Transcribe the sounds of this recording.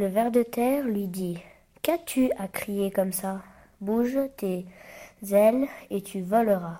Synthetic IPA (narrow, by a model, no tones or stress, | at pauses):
ləvɛʁd̪ət̪ɛʁlɥid̪i | kat̪ʰyakχijekɔmsa | buʒt̪e | zɛlet̪ʰyvɔləʁa